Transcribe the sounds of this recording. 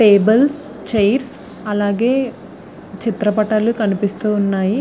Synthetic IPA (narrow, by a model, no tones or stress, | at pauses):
ʈeːbɐls | t͡ʃɐjɾs | ɐlaːɡeː | t͡ʃit̪ɾɐpɐʈɐlukɐnipist̪uːnːaːji